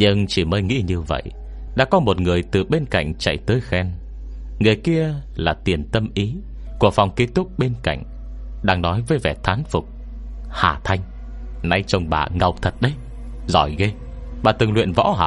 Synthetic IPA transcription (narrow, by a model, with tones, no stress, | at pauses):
ɲɨ˧ŋt͡ɕi˧˩məː˨˦jŋḭ˧˥ɲɨ˧və̰˧˨j | ɗa̰ː˧˥kɔ˨˦mo˨˩t̚ŋɨ˨˩əjt̪ɨ˨˩ɓe˧nka̰˧˨jŋ̟t͡ɕa̰˧˨jt̪əː˨˦jxɛ˧n | ŋɨ˨˩əjki˧əlaː˨˩t̪i˨˩ənt̪ə˧mʔi˨˦ | ku˧˩əfa˨˩wŋ͡mke˦˥t̚t̪ʊ˦˥k͡p̚ɓe˧nka̰˧˨jŋ̟ | ɗaː˧ŋnɔ˨˦jvəː˨˦jvɛ˧˩t̪ʰaː˨˦nfʊ˨˩k͡p̚ | ha̰ː˨˩t̪ʰa˧jŋ̟ | na˧˩jt͡ɕə˧wŋ͡mɓa̰ː˨˩ŋə˨˩wk͡p̚t̪ʰə˨˩t̚ɗə˧j | zɔ˧˩jɣe˧ | ɓaː˨˩t̪ɨ˨˩ŋlwḭ˧˨ənvɔ̰˧˥ɦa̰ː˧˨